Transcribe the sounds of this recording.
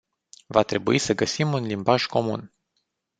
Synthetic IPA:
vat̪ɾe̞buisəɡəsimunlimbaʒko̞mṵn

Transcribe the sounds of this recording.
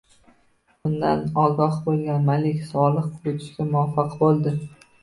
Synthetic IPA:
bʊnd̪a̰nɒɡɒhbolˠɡʲanmalɪkʲsɒlˠɨqqʰʊɾʊt̪ʰɪ̥ʃkʲamʊafɑqbolˠd̪ɪ

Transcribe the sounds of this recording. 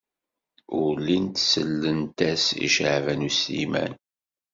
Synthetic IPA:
ʊɾlint̪səlːənt̪æsḭʃʕvænusimæ̰n

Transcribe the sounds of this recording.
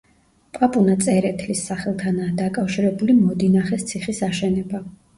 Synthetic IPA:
pʼapʼunat̪sʼɛɾɛt̪ʰlisːaχɛlˠt̪ʰanaːd̪akʼafʃiɾɛbulimɔd̪inaχɛst̪sʰiχisaʃɛnɛba

